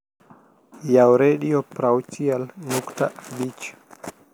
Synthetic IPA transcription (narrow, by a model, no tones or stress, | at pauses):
jawɾeɗiɔpɾawt͡ʃialnuktaʔbit͡ʃḁ